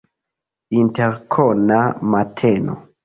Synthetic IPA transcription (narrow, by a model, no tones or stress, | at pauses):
inteɾkʰonamatʰeno̰